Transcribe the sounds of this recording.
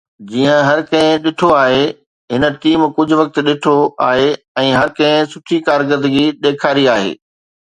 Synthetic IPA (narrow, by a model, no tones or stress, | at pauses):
d͡ʑiːə̃ɦɐɾkɐ̃ɦɪ̃ɗɪʈʰoaːɦe | ɦɪnə̆ʈiːmkʊd͡ʑʱʊ̆ʋɐk̚t̪ɗɪʈʰoaːɦe | ɛ̃ːɦɐɾkɐ̃ɦɪ̃sʊʈʰikaːɾɡəɾd̪əɡiɗ̪eːkʰaːɾiaːɦḛː